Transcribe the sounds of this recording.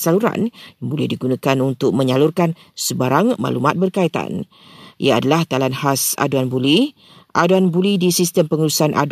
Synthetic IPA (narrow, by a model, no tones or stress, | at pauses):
saluɾa̰njaŋbolɛhdiɡunãkanunt̪ʊk̚mə̃ɲalurkan | səbaɾaŋma̰lumat̪̚bərkait̪a̰n | ʔḭjaːdalaht̪alanhasa̰duanbuli | ʔaduanbulidisist̪əmpəŋulusanʔa̰d